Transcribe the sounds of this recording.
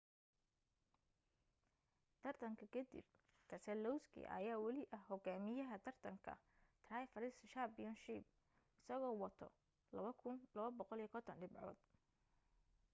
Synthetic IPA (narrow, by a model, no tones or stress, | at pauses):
t̪ʰɐrt̪ʰɐŋkʰɐkʰɛd̪ḭb̚ | t̪ʰɐsɛlɔwskʰḭʔɐ̰jaːwɐlɪʔɐhhːɔɡaːmɪjɐɦɐt̪ʰɐrt̪ʰɐŋkʰɐ̰t̪ʰraːjfɐɾɪsʃabɪjɔnʃib | ɪsɐɣɔːwɑt̪ʰɔ̰ | lɐβɐkʰʊnlɐβɐbɔqɔliːɐkʰɔt̪ʰɐnɖɪbʕɔ̰ːd̪̥